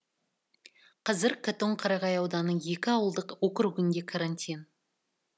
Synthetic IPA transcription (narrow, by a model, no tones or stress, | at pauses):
qʰɑzɪɾkʰat̪oɴqʰɑɾɑʁɑjɑwd̪ɑnːəje̞kʲɪɑwəlˠd̪əqwɵkʲɪɾuɡʲɪnd̪e̞kʰaɾanʲt̪ʲijn